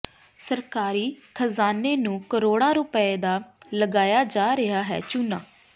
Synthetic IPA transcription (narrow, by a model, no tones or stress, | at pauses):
səɾkaːɾiːkʰəzaːneːnũːkəɾoːɽ̃ãːɾʊpəeːd̪aːləɡaːjaːd͡ʒaːɾɪɦaːɦɛ̰ːt͡ʃʊna̰ː